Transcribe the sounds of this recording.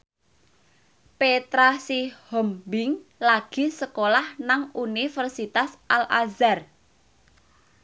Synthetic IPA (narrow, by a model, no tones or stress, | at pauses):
pet̪ɾasihɔmbɪŋlaɡ̥i̤səkolahnaŋunifərsit̪asʔalazar